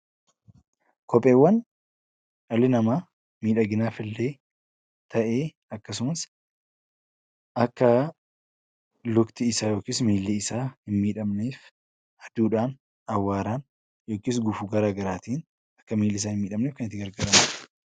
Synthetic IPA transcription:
kʰɔpʼːeːwːɐn | t͡ʃɐlːɪnɐmaː | miːᶑɐɡɪnaːfɪlːeː | t̪ʰɐʔe̞ː | ɐkːɐs̬ʊmɐs | ʔɐkːɐ | lʊkt̪ɪɪsaːjo̞ːkiːsmiːlːɪɪsaːhɪnmiːᶑɐmneːf | hɐd̪̥uːᶑaːn | ɐwːaːɾaːn | jo̞ːkɪːs̬ɡʊfʊɡɐɾaːɡɐɾaːt̪iːn | ɐ̥kːɐmiːlːɪɪs̬aːhɪnmiːᶑɐmneːfkɐnɪt̪ːɪɡɐɾɡɐɾɐmɐ

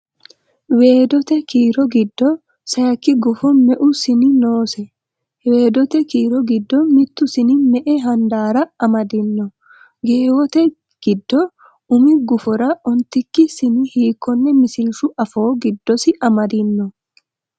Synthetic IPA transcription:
we̞ːd̪ɔt̪ɛkiːɾɔɡɪd̪ːɔ | sɐjɐkːɪɡʊfɔmɛʔʊsɪnɪnoːsɛ | we̞ːd̪ɔt̪ɛkiːɾɔɡɪd̪ːɔmɪt̪ːʊsɪnɪmɛʔɛɦɐnd̪aːɾɐɐmɐd̪ɪnːɔ | ɡe̞ːwɔt̪ɛ | ɡ̥ɪd̪ːɔ | ʊmɪɡʊfɔɾɐʔɔnt̪ɪkːɪsɪnɪhiːkːɔnːɛmɪsɪlʃʊʔɐfo̞ːɡɪd̪ːɔsɪʔɐmɐd̪ɪnːɔ

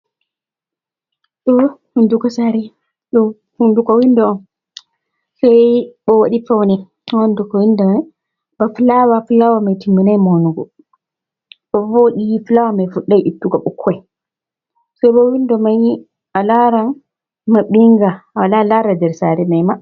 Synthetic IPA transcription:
ɗɔhundukɔsaɾɛ | ɗɔ | hundukɔwindɔɔn | sajɓɔwaɗifɔwnɛ | ɔndukɔwinda | bafulawafulawamajtimːinajmonuɡɔ̰ | ɓɔfɔɗijifulawamajfuɗːajʔitːuɡaɓukʰːɛ | sɛjɓɔwindɔmaji | alaɾan | maɓiŋɡawalalaɾadɛɾsaɾɛmajma

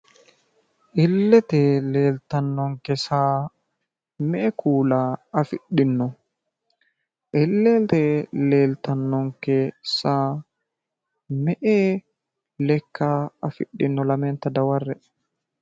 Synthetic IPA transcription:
ʔɪlːɛt̪ɛleːlt̪ɐnːɔŋkːɛsaː | mɛʔɛkʰuːlaːɐfɪɗɪnːɔ | ʔɪlːɛt̪ɛle̞ːlt̪ɐnːɔŋkːɛsaː | mɛʔeː | lɛkːaːɐfɪ̰ɗːɪnːɔlɐmɛnt̪ɐd̪ɐwɐrːɛ

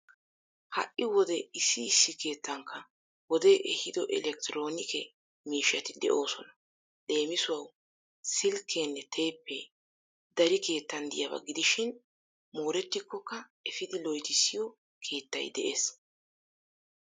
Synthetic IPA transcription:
hɐ̰ʔɪwɔd̪ɛɪsːɪːsːɪke̞ːt̪ʰːɐŋkːɐ | wɔd̪eʔɛhɪd̪ɔʔɛlɛk̚t̪ɪɾo̞ːnɪkʰɛ | miːʃɐt̪ɪd̪ɛ̰ʔo̞ːsɔnɐ̥ | ɗe̞ːmɪsʊwɐw | sɪlkʰːenːɛt̪ʰe̞ːpːɛ | d̪ɐɾɪke̞ːt̪ːɐnd̪ɪjɐbɐ̰ɡɪd̪ɪʃɪn | mo̞ːɾɛt̪ːɪkːɔkːɐɛfɪd̪ɪlɔjt̪ɪsːɪjɔ | kʰe̞ːt̪ːɐ̰jd̪ɛʔeːs

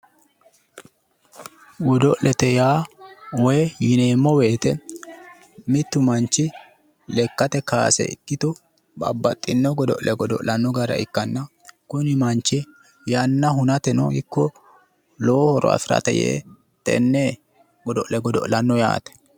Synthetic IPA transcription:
ɡɔd̪ɔʔlʔɛt̪ɛjaːwɔjɛjɪneːmːɔweːt̪ɛ | mɪt̪ːʊmɐnt͡ʃːɪ | lɛkːɐt̪ɛka̰ːsɛ̰ɪ̰kʼːɪt̪ɔ | bɐ̰bːɐt̪ʼːɪnːɔɡɔd̪ɔ̰ʔlʔɛɡɔd̪ɔ̰ʔlɐnːɔɡɐɾɐ̰ɪkːɐnːɐ | kʊnɪmɐnt͡ʃːɪ | jɐnːɐɦʊnɐt̪ɛnɔ̰hɪkːɔ | loːhɔɾɔ̰ɐ̰fɪɾɐ̰t̪ɛ̰jḛː | t̪ɛ̰nːɛ | ɡɔd̪ɔʔlɛɡɔd̪ɔ̰ʔlɐnːɔja̰ːt̪ɛ̥

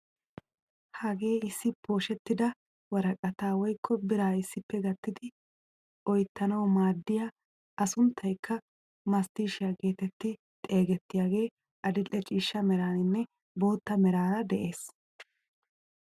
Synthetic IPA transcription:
hɐɡe̞ːɪsːɪpʰo̞ːʃɛt̪ːɪd̪ɐ | wɐɾɐkʼɐt̪aːwɔjkʰːɔbɪɾaːɪsːɪpːɛɡɐt̪ːɪd̪ɪ | ɔjt̪ːɐnɐwmaːd̪ːɪja | ʔɐsʊnt̪ʰːɐjkʰːɐ | mɐst̪iːʃɪjaɡe̞ːt̪ɛt̪ːɪ | t̪ʼe̞ːɡɛt̪ːɪjaːɡe̞ː | ʔɐd̪ɪlːɛt͡ʃʼiːʃːɐmɛɾaːnɪnːɛ | bo̞ːt̪ːɐmɛɾaːɾɐd̪ɛʔe̞ːs

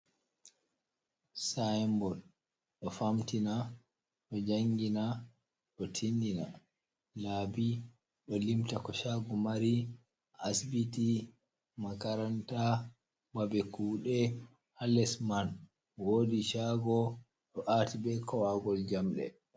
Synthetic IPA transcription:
sajmbɔl | ɗɔfamtina | ɗɔd͡ʒaŋɡina | ɗɔtʰindina | laːbi | ɗɔlimtakɔʃaɡɔmaɾi | ʔasbiti | makaɾanta | babɛkuːɗɛ | halɛsman | woːdiʃaɡɔ | ɗɔʔatibɛkʰɔwaɡɔld͡ʒamɗɛ̰

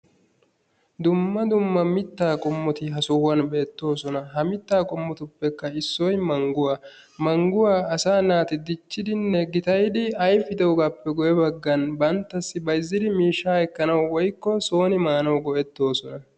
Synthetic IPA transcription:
d̪ʊmːɐd̪ʊmːɐmɪt̪ːaːkʼɔmːɔt̪ɪɦɐsʊwɐnbeːt̪ːo̞ːsɔnɐɦɐmɪt̪ːaːkʼɔmːɔt̪ʊpːɛkːɐɪsːɔjmɐŋɡʊwa | mɐŋɡʊwaːɐsaːnaːt̪ɪd̪ɪt͡ʃːɪd̪ɪnːɛɡɪt̪ɐjd̪ɪɐjfɪd̪ɛwɔɡɐpːɛɡɔjɛbɐɡːɐnbɐnt̪ːɐsːɪbɐɪzːɪd̪ɪmiːʃːaːɛkːɐnɐwwɔjkːɔso̞ːnɪmaːnɐwɡɔʔɛt̪ːo̞ːsɔnɐ

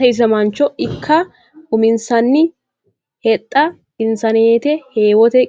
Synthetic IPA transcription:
ɐɪs̬ɐmɐnt͡ʃːɔɪkːɐ | ʊmɪnsɐnːɪ | hɛt̪ʼːɐ | hɪnsɐneːt̪ɛheːwɔt̪ɛ

